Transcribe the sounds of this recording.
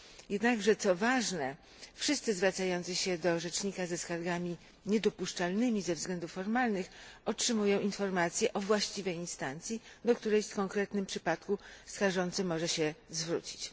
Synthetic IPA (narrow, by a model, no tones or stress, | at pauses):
jɛd̪naɡʐɛt̪sɔvaʐnɛ | fʂɘst̪sɘzvɾat̪sajɔnt̪sɘɕɛd̪ɔʐɛt͡ʂɲikazɛskaɾɡamʲi | ɲɛd̪ɔpuʂt͡ʂalnɘmʲizɛvzɡlɛnd̪ufːɔɾmalnɘxɔtʂɘmujɔ̃w̃infɔɾmat̪sʲjɛʔɔvwaɕt͡ɕivɛjinst̪ant̪sʲjid̪ɔkt̪uɾɛjfkɔŋkɾɛt̪nɘmpʂɘpat̪kuskaʐɔnt̪sɘmɔʐɛɕɛzvɾṵt͡ɕi̥t͡ɕ